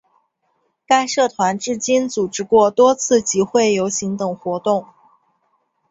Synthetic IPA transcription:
ka˥˧ɪʂɤ˥˩t̪ʰwa˧˥nʈ͡ʂɻ̩˥˧t͡ɕi˥nt͡su˨˩ʈ͡ʂɻ̩˥˧kwɔ˥˩t̪wɔ˥t͡sʰɹ̩˥˩t͡ɕi˧˥xwe˥˩ɪjo˧˥ʊɕi˧˥ŋt̪ɤ˨˩ŋxwɔ˧˥t̪ʊ˥˩ŋ

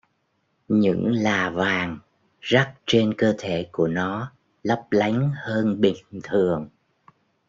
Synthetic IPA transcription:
ɲɨ̰˧˥ŋlaː˨˩vaː˨˩ŋ | za˦˥t̚t͡ɕe˧nkəː˧t̪ʰe˧˩ku˧˩ənɔ˨˦ | lə˦˥p̚la˨˦jŋ̟həː˧nɓï˨˩ŋt̪ʰɨ˨˩əŋ

